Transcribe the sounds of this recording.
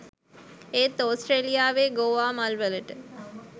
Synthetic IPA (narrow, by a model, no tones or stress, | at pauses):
eːt̪ːoːsʈreːlijaːʋeːɡoːʋaːmalʋələʈə